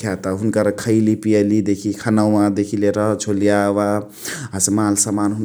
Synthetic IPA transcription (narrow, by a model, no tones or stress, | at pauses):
jat̪aɦunkʌɾkʰəjlipijəlid̪ekʰikʰanawmãd̪ekʰileɾʌt͡ʃʰolijawa | ɦasemalsamanɦun